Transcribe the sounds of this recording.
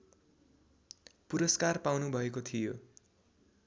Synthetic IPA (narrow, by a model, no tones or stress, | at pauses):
puɾʌskarpawnubʱʌekot̪ʰijo